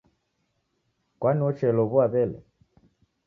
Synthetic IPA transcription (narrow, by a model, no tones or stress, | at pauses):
kwaniɔt͡ʃɛlɔβwaβɛlɛ̰